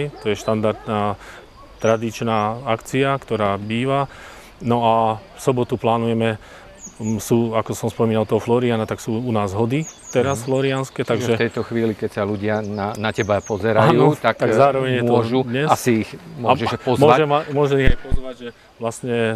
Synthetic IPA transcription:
jt̪ɔjɛʃt̪and̪aɾd̪naː | t̪ɾad̪it͡ʃnaːakt͡siakt̪ɔɾaːbiːʋa | nɔafsɔbɔt̪uplaːnujɛmɛ | suːakɔsɔmspɔmiːnalt̪ɔɦɔflɔɾianat̪aksuːunaːzɦɔd̪it̪ɛɾasflɔɾianskɛt̪aɡʒɛt̪ɛjt̪ɔxʋiːlikɛcsaluɟɪananacɛbapɔzɛɾajuut̪akt̪aɡɡzaːɾɔʋɛɲjɛmtɔɔʒud̪ɲɛsasiixmʊɔʒɛʃpɔzmɔʋaʒɛmamʊɔʒɛmiɦajpɔzʋaɟʒɛ | ʋlasɲɛ

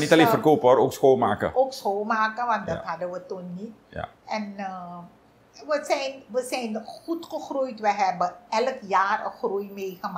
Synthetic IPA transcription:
nitaleːnfərkoːpəaɾoːksxoːlˠmaːkə̰oːksxoːlˠmaːkəʋant̚dɔtɦadəʋətunnitɛn | ʋəsɛjnʋəsɛjnxutxəxrujtʋəɦɛbəɛləkjaːrə̰xrujmeːɣəma

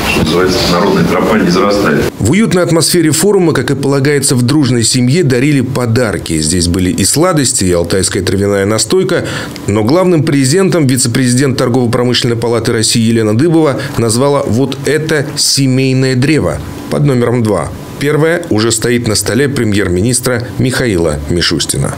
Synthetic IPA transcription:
t̪onəzɨvajɪt̪sənɐɾo̞d̪nəjət̪ɾɐpanʲɪzəɾɐst̪aɪt̪vʊjut̪nəjɐt̪mɐsfʲeɾʲɪfo̞ɾʊməkakɨpəlˠɐɡajɪt̪səvd̪ɾuʐnəjsʲɪmjed̪ɐɾʲilʲɪpɐd̪arkʲɪ̰zʲdʲesʲbɨlʲɪʔɪslˠad̪əsʲtʲɪːɐlˠt̪ajskəjət̪ɾɪvʲɪnajənɐst̪o̞jkə | no̞ɡlˠavnɨmpɾʲɪzʲɪdʲe̞nt̪əmvʲɪt̪səpɾʲɪzʲɪdʲent̪ːɐrɡo̞vəpɾɐmɨʂlʲɪnəjpɐlˠat̪ɨɾɐsʲːijːjɪlʲe̞nəd̪ɨbəvənɐzvalˠəvo̞t̪ɛt̪əsʲɪmʲejnəjəd̪ɾʲevə̰ | pɐ̰d̪no̞mʲɪɾəmd̪va̰ | pʲe̞rvəjəʊʐɛst̪ɐit̪nəst̪ɐlʲepɾʲɪmʲje̞rmʲɪnʲist̪ɾəmʲɪxɐilˠə̰mʲɪʂusʲtʲɪ̰nə̰

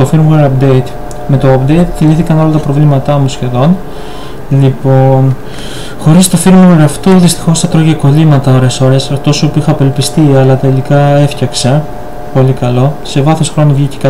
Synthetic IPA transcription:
t̪o̞fiɾmeɾɐpd̪e̞it̪ | me̞t̪o̞ɐpd̪eit̪θiliθikɐno̞lɐt̪ɐpɾo̞vlimɐt̪ɐmusçe̞ðo̞n | lipo̞n | xo̞ɾist̪o̞fiɾmɣeɾɐft̪uðist̪i̥xo̞sθɐt̪ɾoʝeko̞limɐt̪ɐo̞ɾe̞so̞ɾe̞sɐft̪o̞sopuixɐːpe̞lpist̪iɐlɐt̪e̞likɐe̞fçɐksɐ | po̞likɐlo̞se̞vɐθo̞sxɾo̞novʝicekɐ

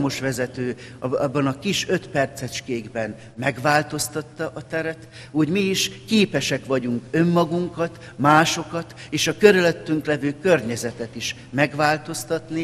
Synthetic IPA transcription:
mo̞ʃʋɛzɛt̪øːɒbːɒnɒkiʃø̞t̪pɛrt̪sɛt͡ʃkeːɡbɛn | mɛɡʋaːlt̪o̞st̪ɒt̪ːɒʔɒt̪ɛɾɛt̪ | uːɟmiːʃkeːpɛʃɛkʋɒɟuŋkø̞mːɒɡuŋkɒt̪ | maːʃo̞kɒt̪eːʃɒkøɾyløt̪ːyŋklɛvøːkø̞rɲɛzɛt̪ɛt̪iʃ | mɛɡʋaːlt̪o̞st̪ɒt̪ni

